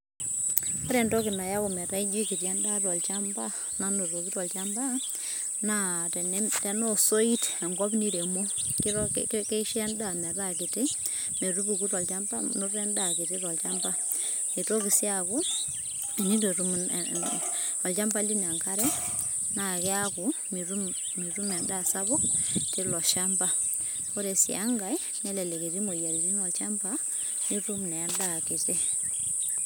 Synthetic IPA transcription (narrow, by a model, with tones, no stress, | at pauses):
ɔ˦ɾɛ˨ntɔ˦kɪ˨na˨ja˦kɔ˨mɛ˨ɾa˦i˦d͡ʒi˦ki˨tja˦nda˦tɔ˨lt͡ʃa˦mba˦ | na˨no˨ɾo˨ki˦tɔ˨lt͡ʃa˦mba˦na˨tɛ˨nɛtɛ˨nɔ˦so˦i˦tɛ˨ŋɡɔ˦bni˦ɾe˨mo˦ki˦ɾ̰kɛ˦ʃa˦nda˦˨mɛ˨ɾa˦kɪ˨ti˦me˨ɾu˦bu˨ku˦tɔ˨lt͡ʃa˦mba˦nu˦rɛ˦nda˨ki˨ti˦ɾɔ˨lt͡ʃa˦mba˦ | ni˨to˦ki˨si˦aku˦˨ | ni˦tu˨ɾu˦m̰ | ɔ˨lt͡ʃa˦mpa˦li˦n˨a˨ŋka˦ɾɛ˦ | na˨kɛ˦aku˨ | miɾummi˨ɾu˦mɛ˨nda˦sabu˦kti˦lɔ˨ʃa˦mpa˦ | fo˦ɾe˨sḭ˨a˦ŋɡa˨jnɛ˦le˨le˨ɡe˨ti˦mo˨ja˨ɾi˨ti˦mɔ˨lt͡ʃampa | ni˦ɾu˦mnɛ˨a˦nda˨ki˨ti˦